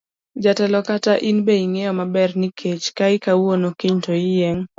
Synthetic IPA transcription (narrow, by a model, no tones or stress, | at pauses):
d͡ʒatɛlɔkataʔinbeiŋejɔmabɛrnɪkʰet͡ʃkaɪkawonokiɲtoɪjeŋ